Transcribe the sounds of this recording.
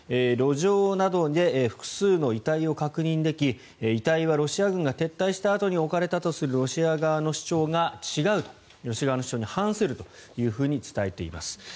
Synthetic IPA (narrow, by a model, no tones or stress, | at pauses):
eɾo̞ʑo̞ːnad̪o̞d̪e̞ɸɯ̥kɯ̟̥sɨːno̞it̪aio̞kakɯ̟ɲ̟ĩnd̪e̞kʲi | it̪aiβaɾo̞ɕiaɡɯ̟̃ŋɡat̪e̞t̪ːaiɕi̥t̪aːt̪o̞ɲ̟io̞kaɾe̞t̪at̪o̞sɨɾɯ̟ɾo̞ɕiaɡaβano̞ɕi̥t͡ɕo̞ːɡat͡ɕiɡaɯ̟t̪o̥ | ɾo̞ɕiaɡaanoɕi̥t͡ɕoːɲ̟ihãɰ̃sɨɾɯ̟t̪o̞̥jɯ̟ːɸɯ̟ːɲ̟it͡sɨ̥t̪ae̞t̪e̞ḭma̰sɨ̥